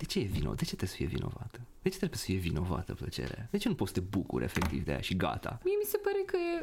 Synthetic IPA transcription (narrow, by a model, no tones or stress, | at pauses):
d̪̥et͡ʃejevinod̪e̞t͡ʃet̪ɾesə̥fijevḭno̞̰vat̪əd̪̥et͡ʃe̞t̪ɾebjesə̥fije̞vino̞va̰t̪əplət͡ʃe̞̰ɾḛad̪et͡ʃe̞nupot̪sə̥t̪e̞bukuɾʔe̞̰fek̚t̪ivd̪eja̰ʃiɡa̰t̪ʰamie̞mise̞paɾekəje